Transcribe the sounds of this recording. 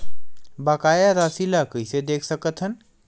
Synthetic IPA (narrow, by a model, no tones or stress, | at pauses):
baːkaːjaɾasilakəised̪eːkʰsəkət̪ɦən